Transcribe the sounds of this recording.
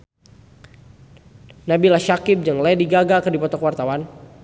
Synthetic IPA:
nabilaʃakɪp̚d͡ʒaŋlɛdiɡaɡakərdipɔt̪ɔkwart̪awan

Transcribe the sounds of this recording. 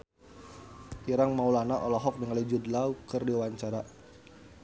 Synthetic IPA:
iɾaŋmaulanaʔɔlɔɦɔk̚dəŋalid͡ʒudlaukərdiwaɲt͡ʃaɾa

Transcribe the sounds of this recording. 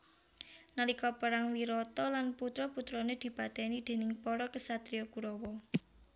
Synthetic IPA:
nəlikɔpəɾaŋwiɾɔt̪ɔlanput̪ɾɔput̪ɾɔned̪̥i̤pat̪ɛnid̪̥e̤nɪŋpɔɾɔkəsat̪ɾijɔkuɾɔwɔ

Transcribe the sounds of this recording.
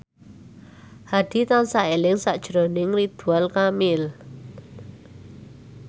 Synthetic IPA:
had̪̥i̤t̪ansaelɪŋsaʔd̥ʒ̥ɾonɪŋrid̪̥ualkamɪl

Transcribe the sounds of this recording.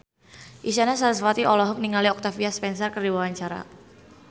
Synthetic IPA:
ʔisanasaɾsfat̪iʔɔlɔɦɔk̚niŋaliɔk̚t̪afiaspɛnsɔrkərdiwawaɲt͡ʃaɾa̰

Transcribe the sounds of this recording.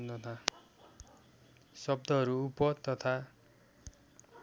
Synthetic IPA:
nt̪ʌt̪ʰa | sʌbd̪ʱʌɦʌɾuupʌt̪ʌt̪ʰa

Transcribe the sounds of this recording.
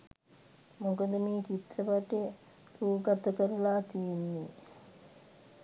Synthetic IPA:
mukəd̪əmiːt͡ʃit̪ɾəʋaʈe | ɾuːɡat̪əkəɾulaːt̪ijenːi

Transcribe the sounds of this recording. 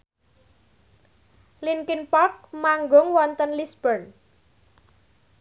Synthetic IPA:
linkinpɔk̚maŋɡɔŋwɔnt̪ənlisb̥ərn

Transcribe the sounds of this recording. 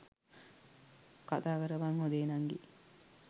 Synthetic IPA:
kat̪aːkəɾəʋaŋhod̪eːnaŋɡḛ

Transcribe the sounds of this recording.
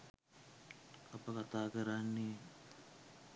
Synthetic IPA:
apəkat̪aːkəɾanːe

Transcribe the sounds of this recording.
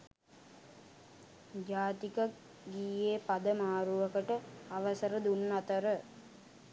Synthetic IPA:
d͡ʒaːt̪ikə | ɡiːeːpad̪əmaːɾuʋəkəʈəaʋəsəɾəd̪unːat̪əɾə

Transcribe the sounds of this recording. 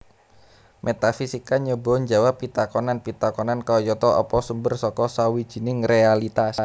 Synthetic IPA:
mʔet̪afisikaɲəbɔ̤ɲd͡ʒawapːit̪akɔnanpit̪akɔnankaɔjɔt̪ɔɔ̰pɔsumbərsɔkɔsawid̥ʒ̥i̤nɪŋrealit̪as

